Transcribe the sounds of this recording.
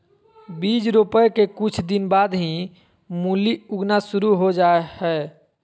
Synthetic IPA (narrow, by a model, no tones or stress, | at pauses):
bid͡ʒɾupəjkekut͡ʃʰd̪inbad̪ɦĩ | muliuɡnasuɾuɦod͡ʒaehɛ